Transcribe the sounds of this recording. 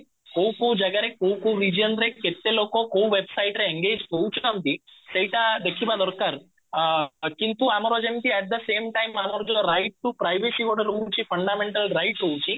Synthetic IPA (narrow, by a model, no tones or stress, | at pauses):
kowkoːd͡ʒɐɡɐɾekːowkoɾid͡ʒɐnɾekːet̪ːeloːkoːkowʋebsɐjʈɾeeŋɡeːd͡ʒkowt͡ʃuɐmt̪isɐjʈ̪aːd̪ekːibaːd̪ɔɾkːaɾ | kint̪uaːmɐɾoːd͡ʒɐnt̪iɛʈ̚d̪ɐseːmʈɐjmaːmɐɾoːd͡ʒɐlɐɾɐjʈ̚ʈupɾɐjʋesikuːɽɐɾuːt͡ʃipʰɐɳɖaːmeɳʈɐlɾɐjʈːowut͡ʃi